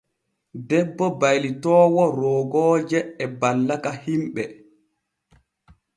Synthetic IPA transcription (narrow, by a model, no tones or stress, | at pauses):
dɛbːɔbajlitɔːwɔɾɔːɡɔːd͡ʒɛːbalːakahimɓɛ